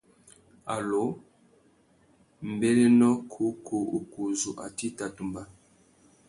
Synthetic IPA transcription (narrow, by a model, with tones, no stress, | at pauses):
a˨lo˨˦ | m̩˨be˦le˦nɔ˦kʰu˨˦kʰo˨o˨ku˨zu˨ʔa̰˨ti˦ta˨tu˨mba˦